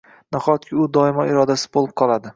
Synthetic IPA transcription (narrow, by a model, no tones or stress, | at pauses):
naχɒt̪̚kʲʰɪʊd̪ɒɪmɒɪɾɒd̪asɪzbolˠɪp̚qʰɒlˠad̪ɪ